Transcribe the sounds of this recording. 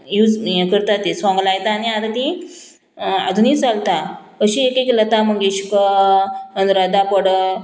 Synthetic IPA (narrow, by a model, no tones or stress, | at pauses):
jud͡zkəɾt̪at̪esʋãŋɡlajt̪aːniat̪at̪ĩ | a̰d̪ʱuniːt͡salt̪akəɕiekeklət̪aməɡeɕkə | ənɾəd̪apəɽə